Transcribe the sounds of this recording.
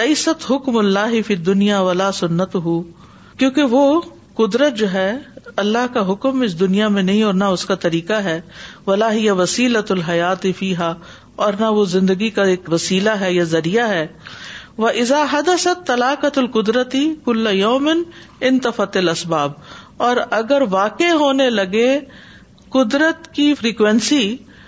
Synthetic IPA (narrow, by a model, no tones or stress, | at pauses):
leɪsɐt̪ɦʊkmʊlːaːɦɪfiːd̪ːʊnijaːʋɐlaːsʊnːɐt̪ʊɦu | kjõːkeʋoː | kʊd̪ɾət̪̚d͡ʒoːɦɛːɐlːaɦkaɦʊkmɪs̬d̪ʊnijamẽnɐɦĩɔːɾnaʊskat̪ɐɾiːkaɦɛːʋɐlaːɦɪjaʋɐsiːlɐt̪lɦɐjaːt̪ɪfiːɦaː | ɔːɾnaʋozɪ̃nd̪əɡikaeːkʋɐsiːlaɦɛjazɐɾijaɦɛː | ʋɐʔɪzaːɦɐd̪əsɐt̪ːɐlaːqət̪ɐlqʊd̪ɾət̪ikʊlːajoːmɪn | ɪnt̪ɐfɐt̪ɪlɐsbaːbɔːɾɐɡəɾʋaːkeɦoːnelɐɡe | kʊd̪ɾət̪kifɾiːkʋɛ̃nsi